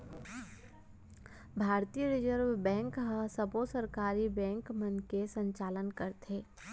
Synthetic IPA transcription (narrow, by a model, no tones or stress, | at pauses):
bʱaːɾt̪ijəɾɪd͡ʒəɾʋbɛ̃ːŋkɦə̃səbosəɾkaːɾibɛ̃ːŋkmənkesə̃ɲt͡ʃaːlənkəɾt̪eː